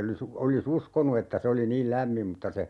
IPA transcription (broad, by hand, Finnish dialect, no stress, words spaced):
olis olis uskonu etːæ se oli niːl læmːim mutːɑ se